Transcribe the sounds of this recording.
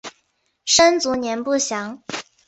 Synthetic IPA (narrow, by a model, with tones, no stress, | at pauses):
ʂə˥nt͡su˧˥njɛ˧˥npu˥˩ɕjɑ˧˥ŋ